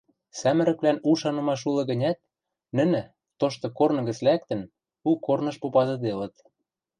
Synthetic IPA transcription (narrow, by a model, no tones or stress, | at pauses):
sæmɘ̆ɾɘ̆kβlænuʃɑnɤ̆mɑʃ̬ulɤ̆ɣə̆nʲæt̪̚ | nɘ̆nɘ̆ | t̪oʃt̪ɤ̆kornɤ̆ɣə̆t͡slækt̪ə̆n | ukornɤ̆ʃpopɑzɤ̆d̪elɤ̆t̪̚